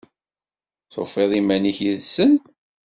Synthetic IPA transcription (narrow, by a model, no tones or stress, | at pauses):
θo̰feðˤimæniçiðsən